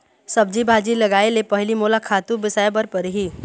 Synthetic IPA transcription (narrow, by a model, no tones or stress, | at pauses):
sɐb̚d͡ʒibʱaːd͡ʒilɐɡaːelepɐɦlimoːlakʰaːt̪ubɪsaːebəɾpəɾɦiː